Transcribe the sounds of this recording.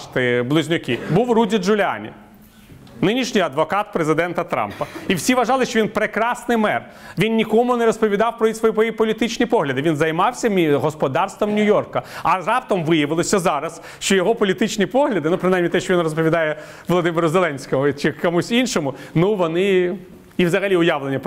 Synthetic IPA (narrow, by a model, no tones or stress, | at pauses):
t̪ɪblˠʊzʲnʲʊkʲɪbuwrudʲid̪ʒʊlʲɪa̰nʲḭ | nɪnʲiʃnʲɪjɐd̪ʋɔkɑt̪̚pɾezɪd̪ɛnt̪ɐt̪ɾɑ̰mpɐiwsʲiʋɐʒɑlˠɪʃt͡ʃɔʋʲinpɾekɾɑsnɪjmɛr | ʋʲinnʲikɔmʊnɛɾɔspɔʋʲid̪ɑwpɾɔisʋɔjiɔjipɔlʲit̪ɪt͡ʃnʲipɔɦlʲɐd̪ɪʋʲinzɐjmɑwsʲɐmʲiɦɔspɔd̪ɑrst̪ʋɐmnʲʊjɔrkɐɐrɑpt̪ɔmʋɪjɐʋɪlˠɔsʲɐzɑɾɐs | ʃt͡ʃɔjɔɦɔpɔlʲit̪ɪt͡ʃnʲipɔɦlʲɐd̪ɪnupɾɪnajmnʲit̪ɛʃt͡ʃɔʋʲinrɔspɔʋʲid̪ɑjɛ | ʋɔlˠɔd̪ɪmɪɾʊzelˠɛnʲsʲkɔmʊt͡ʃɪkɔmusʲinʃɔmʊnuʋɔnɪ | iwzɐɦɐlʲiʊjaʋlˠenʲːɐp